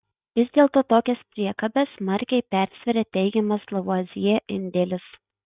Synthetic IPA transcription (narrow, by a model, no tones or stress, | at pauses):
ʋʲɪzʲd̪ʲeːlˠt̪oːt̪oːkʲɛspʲɾʲiɛkɐbʲɛsmɐɾʲkʲɛɪpʲæˑɾʲsʲʋʲɛɾʲɛt̪ʲɛɪɡʲɛmɐslˠɐʋuɑzʲɪjɛʔɪnʲd̪ʲɛlʲɪs